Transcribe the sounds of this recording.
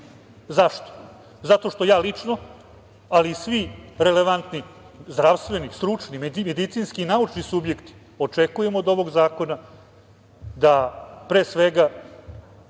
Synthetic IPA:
zaʂt̪o̥ | zat̪o̞ʂt̪o̞jaːlit͡ʂno | aliːsʋiɾe̞leʋant̪ni | zd̪ɾaʋst̪ʋe̞nist̪ɾut͡ʂnimeimed̪it̪siːnskiːnaut͡ʂnisubje̞kt̪i̥ | o̞t͡ʂekuje̞mod̪o̞ʋo̞ɡzaːko̞na | d̪apɾe̞ːsʋeɡa

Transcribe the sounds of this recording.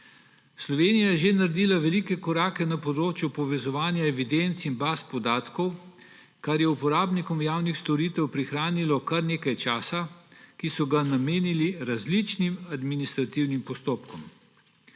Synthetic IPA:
slɔʋeːnijajɛʒenaɾd̪iːlaʋɛlikɛkɔɾaːkɛnapɔd̪ɾoːt͡ʃjupɔʋɛzɔʋaːnjaɛʋid̪ent̪sinbaːspɔd̪aːt̪kɔw | kaɾjɛupɔɾaːbnikɔmjaːwnixst̪ɔɾiːt̪ɛwpɾixɾaːnilɔkaɾneːkajt͡ʃaːsakisɔɡanameːniliɾazlit͡ʃnimad̪minist̪ɾat̪iwnimpɔst̪oːpkɔm

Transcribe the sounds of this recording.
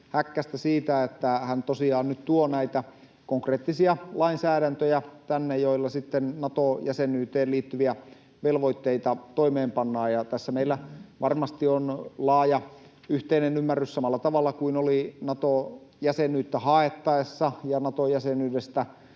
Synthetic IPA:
hækːæst̪æsiːt̪æet̪ːæhænt̪osiɑːnnyt̪t̪uonæit̪æ | koŋkreːt̪ːisiɑlɑinsæːɾænt̪øjæt̪ænːejoilːɑsit̪ːennɑt̪ojæsenyːt̪eːlliːt̪ːyʋiæ | ʋelʋoit̪ːeit̪ɑt̪oimeːmpɑnːɑːjɑt̪æsːæmeilːæʋɑrmɑst̪ionlɑːjɑ | yht̪einenymːærːyssɑmɑlːɑt̪ɑʋɑlːɑkuinolinɑt̪o | jæsenyːt̪ːæhɑet̪ːɑesːɑjɑnɑt̪ojæsenyːdest̪æ

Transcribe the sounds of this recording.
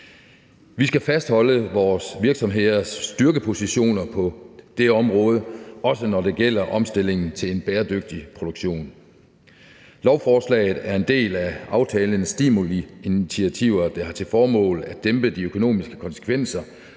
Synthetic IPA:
ʋisɡ̥æfæsd̥hɒ̽ləʋɒːsʋiɐɡ̥sɒ̽mɦe̝ð̰ˠɐsːd̥yɐɡ̥əpʰo̝siɕo̝̰ːnɐpʰɒ̽d̥e̝ɒ̽mʁɔ̽ːð̞ˠəɒ̽sənɒde̝ɡ̥el̰ɐʔɒ̽msd̥e̝l̰e̝ŋn̩t͡sʰe̝le̝nb̥eːɐd̥øɡ̥̚d̥ipʰʁo̝d̥oɡ̥ɕo̝̰ːn | lɒʊfɒːslɛ̰ːɪð̩ˠæɐe̝nd̥e̝̰ːlæɑ̈ʊt͡sʰɛːlənəsd̥iːmoliinit͡sʰiæt͡sʰiʊɐd̥ɑ̈hɑ̈t͡sʰe̝lfɒːmɔ̰̽ːlæd̥emb̥əd̥iøkʰo̝no̝̰ːmisɡ̥ə̥kʰɒ̽nsə̥kʰʋen̰sɐ

